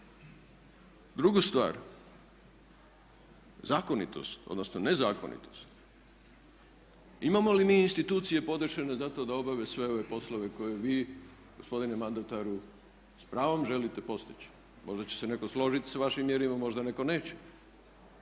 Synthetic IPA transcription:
d̪ɾuɡust̪ʋa̰ːɾ | zaːko̞nḭt̪o̞̰st̪od̪nosnone̞zaːko̞̰nḭt̪o̞st̪ | imamo̞limiːnst̪it̪uːt̪sije̞po̞d̪ʃene̞zat̪o̞d̪ao̞baʋesʋe̞o̞ʋe̞po̞slo̞ʋe̞ko̞je̞ʋiː | ɡospo̞d̪inemand̪at̪aɾu | spɾaːʋo̞mʒe̞lit̪e̞po̞st̪i̥t͡ɕ | mo̞ʒd̪at͡ɕese̞ne̞koslo̞ʒit̪i̥saʋaʃimːje̞ɾimamo̞ʒd̪ane̞ko̞ne̞ːt͡ɕe̥

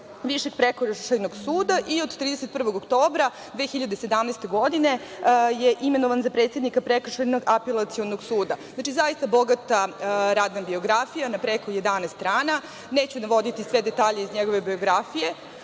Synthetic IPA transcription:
ʋiʃeɡ̚pɾekoɾaʃajnoɡsuːd̪aʔio̞d̪t̪ːɾiːd̪e̞set̪̚pr̩ʋo̞ɡokt̪o̞ːbɾa | d̪ʋeːxiʎad̪esed̪amneːst̪e̞ɡo̞d̪ine̞jeʔime̞noʋanzapɾet̪sʲe̞d̪nikapɾekr̩ʃajnoɡapelˠat̪sionoɡsuːd̪aznat͡ʃizaist̪abo̞ɡat̪aɾaːd̪nabio̞ɡɾafijanapɾeko̞je̞d̪anest̪t̪ɾaːna | ne̞ːt͡ɕunaʋo̞d̪it̪isʋe̞d̪et̪aːʎeizɲeɡo̞ʋe̞bio̞ɡɾafije

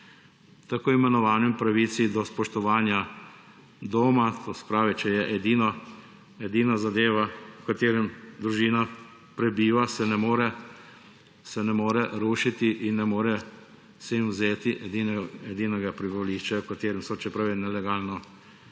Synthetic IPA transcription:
t̪akoːimɛnɔʋaːnimpɾaʋisid̪ɔspɔʃt̪ɔʋaːnja | d̪oːmat̪oːsɛ̥pɾaːʋit͡ʃɛjɛʔɛd̪iːnɔ | ɛd̪iːnazad̪eːʋawkat̪eːɾɛmd̪ɾuʒiːna | pɾɛbiːʋasɛnɛmoːɾɛ | sɛnɛmoːɾɛɾuːʃit̪iʔinːɛmoːɾɛ | sɛimwzeːt̪iʔɛd̪inɛd̪iːnɛɡapɾibaliːʃt͡ʃɛwkat̪eːɾɛmsɔt͡ʃɛpɾaʋinɛlɛɡaːlnɔ

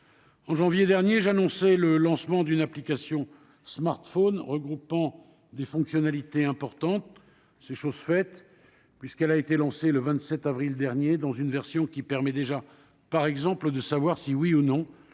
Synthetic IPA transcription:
ɑ̃ʒɑ̃vjed̪ɛʁnjeʒanɔ̃sɛləlɑ̃smɑ̃d̪ynaplikasjɔ̃ | smaʁt̪fonʁəɡʁupɑ̃ | d̪efɔ̃ksjɔnalit̪eɛ̃pɔʁt̪ɑ̃t̪ | seʃozfɛt̪ | pɥiskɛlaet̪elɑ̃seləvɛ̃t̪sɛt̪avʁild̪ɛʁnjed̪ɑ̃zynvɛʁsjɔ̃kʲipɛʁmɛd̪eʒa | paʁɛɡzɑ̃pləd̪əsavwaʁsiwiunɔ̃

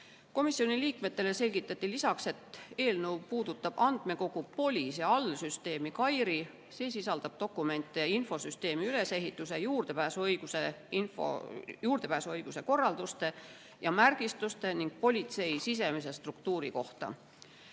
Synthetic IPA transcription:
ko̞misio̞niliːkme̞t̪ːe̞le̞se̞lʲɡ̥it̪ːˑɑt̪ːˑilisɑkse̞t̪e̞ːlnɤ̞wpuːd̪̥ut̪ːˑɑb̥ɑnd̪̥me̞ko̞ɡ̥upo̞lʲisɑɑlːsyst̪e̞ːmikɑjɾi | se̞ːsisɑld̪̥ɑb̥̚t̪o̞kːˑume̞nt̪ːˑeinfo̞syst̪e̞ːmiyle̞se̞ɦit̪ːˑuse̞juːrd̪̥epæːsuɤjɡ̥useinfo̰juːrd̪̥e̞pæːsuɤjɡ̥use̞ko̞rːɑld̪ust̪e̞ | jɑmærɡ̥ist̪ust̪e̞niŋɡ̥̚po̞lʲit̪se̞jsis̬e̞mis̬e̞st̪rukt̪uːɾiko̞ht̪ɑ̰

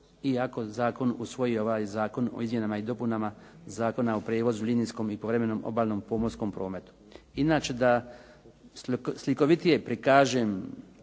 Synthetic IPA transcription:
iako̞zaːko̞nusʋo̞jio̞ʋaːjzaːko̞no̞̰izmje̞namaid̪o̞punama | zaːko̞naopɾeːʋo̞zulʲinijsko̞mipoʋɾeme̞noːmo̰baːlnoːmpoːmosko̞mpɾo̞ːme̞t̪u̥ | inaːt͡ʃe̞d̪a | sliko̞ʋit̪ije̞pɾikaːʒeːm

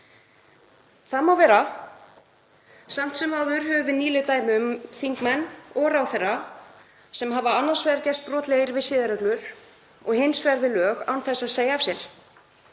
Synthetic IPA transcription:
θaðmawvɛːɾa | sam̥t̪sɛmawðʏɾhœvʏvɪniːlʏt̪aːjmɪʏmθiŋkmɛnːɔɾawθɛra | sɛmɦavaanːḁsvɛːðɾcɛst̪̚pɾɔːt̪lɛɣɪɾvɪsɪːðaɾœklʏɾ̥ | ɔɣhɪnsvɛɾvɪðlœːɣa̰wnθɛsːaðseːjaːv̥sjɛɾ̥

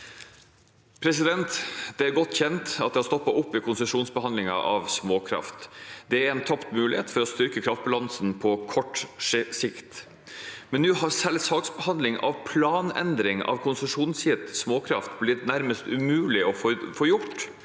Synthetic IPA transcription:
pʰɾɛsɪd̪ɛnt̪d̪̥ɛæɾɡɔt̪ːçɛnt̪ɑt̪̚d̪ɛst̪ɔpːɑʔʊpːɪkʰʊnsəʂuːnsbəhɑnd̪lɪŋɑ̰ʔɑʋsmoːkʰɾɑ̰ft̪d̪̥ɛæɾɛnt̪ʰɑpt̪mʉːlɪheːt̪fɔɾɔst̪ʏɾkəkʰɾɑft̪̚bɑlɑnsnpʰɔkʰɔʈːsɪkt̪ | mɛnːʉːɦɑɾsɛlsɑːksbəhɑnd̪lɪŋʔɑ̰ʋpʰlɑːnɛ̰nd̪ɾɪŋɑ̰ʋkʰʊnsəʂuːnsɪt̪smoːkʰɾɑ̰ft̪blɪt̪næɾməst̪ʉmʉːlɪʔɔfɔfoːjʊʈ

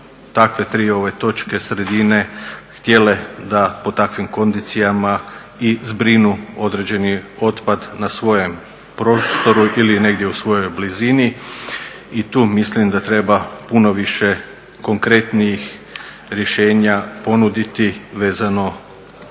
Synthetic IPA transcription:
t̪akʋe̞t̪ɾiːo̞ʋe̞t̪o̞t͡ʃke̞sɾe̞d̪ine̞xt̪je̞le̞d̪apo̞t̪akʋimko̞nd̪it̪sijama | izbɾinuo̞d̪ɾe̞d͡ʑe̞nio̞t̪pad̪nasʋo̞je̞m | pɾo̞ːst̪o̞ɾuʔilineɡd̪jeusʋo̞jo̞jblizini | it̪uːmislimd̪at̪ɾe̞bapuno̞ʋiʃe̞ | ko̞ŋkɾe̞t̪nijix | ɾjeʃe̞ːɲapo̞nud̪it̪iʋe̞ːzano̞

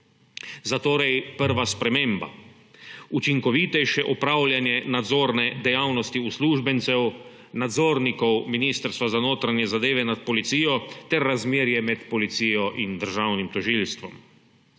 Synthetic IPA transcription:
zat̪oːɾɛjpəɾʋaspɾɛmeːmba̰ | ut͡ʃiŋkɔʋiːt̪ɛjʃɛʔɔpɾaːwljanjɛnad̪zoːɾnɛd̪ɛjawnɔst̪iusluːʒbɛnt̪sɛw | nad̪zoːɾnikɔwminiːst̪əɾst̪ʋazanoːt̪ɾanjɛzad̪eːʋɛnat̪̚pɔlit̪siːjɔt̪ɛɾːazmeːɾjɛmɛt̪pɔlit̪siːjɔʔind̪əɾʒawnimt̪ɔʒilst̪ʋɔm

